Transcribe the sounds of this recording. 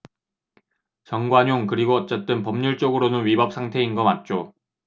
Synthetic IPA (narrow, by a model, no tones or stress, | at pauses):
t͡ɕʌŋɡwaɲoŋkɯɾiɡoʌt̚t͡ɕ͈ʌt̚t͈ɯnpʌmɲuɭt͡ɕ͈oɡɯɾonɯnwɥibʌp̚s͈ʰaŋtʰe̞inɡʌmat̚t͡ɕ͈o